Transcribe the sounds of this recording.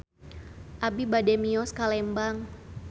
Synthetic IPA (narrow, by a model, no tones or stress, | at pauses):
ʔabibadɛmiɔskalɛmbaŋ